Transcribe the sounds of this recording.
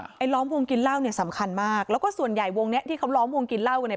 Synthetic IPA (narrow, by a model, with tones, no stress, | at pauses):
ʔa˧jlɔː˦˥mwo˧ŋki˧nla˥˩wni˥˩ɐsa˩˦mkʰa˧nmaː˥˩k̚lɛː˦˥wkɔː˥˩su˨˩ənja˨˩jwo˧ŋni˦˥ʔt̪ʰiː˥˩kʰa˦˥wlɔː˦˥mwo˧ŋki˧nla˥˩wkna˥˩